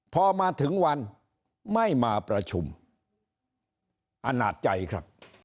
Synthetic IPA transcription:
pʰɔː˧maː˧t̪ʰɯ˩˦ŋwa˧n | ma˥˩jmaː˧pɾa˧t͡ɕʰu˧m | ʔa˧na̰ː˨˩t̪̚t͡ɕa˧jkʰɾa̰˦˥p̚

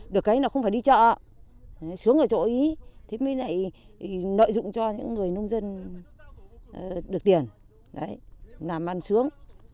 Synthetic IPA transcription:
ɗɨ˨˩əkːaː˨˦jnaː˨˩xə˧wŋ͡mfaː˧˩jɗi˧t͡ɕə̰ː˧˨˦ | jsɨ˨˦əŋʔəː˧˩t͡ɕo̰˧˩ʔi˨˦t̪ʰe˨˦mi˨˦la̰˧˨j | no̰˧˨jzʊ̰˧˨ŋ͡mt͡ɕɔ˧ɲɨ̰˧˥ŋːɨ˨˩əjno˧wŋ͡mzə˧n | ə˨˩ɗɨ˨˩k̚t̪i˨˩ən | ɗə˨˦jnaː˨˩mʔa˧nsɨ˨˦əŋ

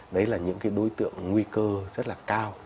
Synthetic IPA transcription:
ɗə˨˦jlaː˨˩ɲɨ̰˧˥ŋkaː˨˦jɗo˨˦jt̪ɨ̰˧˨əŋːwi˧kəː˧zə˦˥t̚laː˨˩kaː˧w

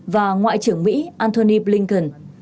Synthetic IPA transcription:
vaː˨˩ŋwa̰ː˧˨jt͡ɕɨ˧˩əŋmḭ˧˥ʔaː˧nt̪ʰo˧ni˧blï˧ŋt̪ə˧˩n

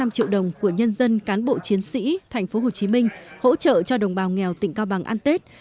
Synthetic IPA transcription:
a˧mt͡ɕḭ˧˨əwɗə˨˩wŋ͡mku˧˩əɲə˧nzə˧nkaː˨˦nɓo̰˧˨t͡ɕi˨˦ənsḭ˧˥t̪ʰa˨˩jŋ̟fo˨˦ɦo˨˩t͡ɕi˨˦mï˧ŋ̟ho̰˧˥t͡ɕə̰ː˧˨t͡ɕɔ˧ɗə˨˩wŋ͡mɓaː˨˩wŋɛ˨˩wt̪ḭ̈˧˨ŋkaː˧wɓa˨˩ŋʔaː˧nt̪e˦˥t̚

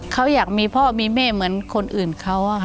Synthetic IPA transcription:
kʰa˦˥wjaː˨˩k̚miː˧pʰɔː˥˩miː˧mɛː˥˩mɯ˩˦ənkʰo˧nʔɯː˨˩nkʰa˦˥wʔa˧˩

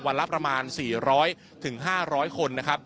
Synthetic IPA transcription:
wa˧nla˦˥pɾa˧maː˧nsiː˨˩ɾɔː˦˥j | t̪ʰɯ˨˩˦ŋɦaː˥˩ɾɔː˦˥jkʰo˧nːa˦˥kʰɾa˦˥p̚

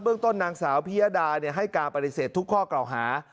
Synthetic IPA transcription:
bɯ˥əŋt̪o˥˩nːaː˧ŋsaː˩˦wpʰi˦˥jaː˧˥daː˧ni˥˩əɦa˥˩jkaː˧npa˧t̪i˨˩seː˨˩t̪ʰːu˦˥kʰːɔː˥˩kla˨˩wɦaː˩˦

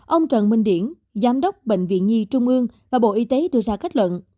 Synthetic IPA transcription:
ʔə˧wŋ͡mt͡ɕə̰˧˨nmï˨˩ŋ̟ɗi˧˩ən | zaː˨˦mɗə˦˥wk͡p̚ɓḛ˧˨jŋ̟vḭ˧˨ənɲi˧t͡ɕʊ˧ŋ͡mʔɨ˧əŋvaː˨˩ɓo̰˧˨ʔi˧t̪e˨˦ɗɨ˧əzaː˧ka˦˥k̚lwə̰˧˨n

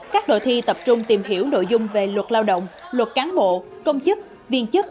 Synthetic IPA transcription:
kaː˦˥k̚ɗo̰˧˨t̪ʰi˧t̪ə˨˩p̚t͡ɕʊ˧ŋ͡mt̪i˨˩mɦi˧˩əwno̰˧˨jzʊ˧ŋ͡mve˨˩lwə˨˩t̚laː˧wɗə̰˧˨wŋ͡m | lwə˨˩t̚kaː˨˦nɓo̰˧˨ | kə˧wŋ͡mt͡ɕɨ˦˥k̚ | vi˧ənt͡ɕɨ˦˥k̚

